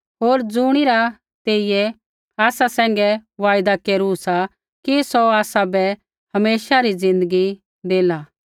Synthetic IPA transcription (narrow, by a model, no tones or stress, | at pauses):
ɦoːɾd͡zuɽ̃iɾa | t̪eːɪjɛ | aːsasɛ̃ːŋ̆ɡɛʋaːjd̪akeːɾusa | kisoaːsabɛ | hɐmeːʃaɾid͡zɪ̃nd̪əɡi | d̪eːla